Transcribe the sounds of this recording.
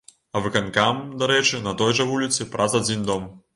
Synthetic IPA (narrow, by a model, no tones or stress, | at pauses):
ɐvɨkankamd̪aɾɛt͡ʂɨnɐt̪ɔjʐɐvulʲit̪sɨpɾʔazad͡zʲind̪ɔm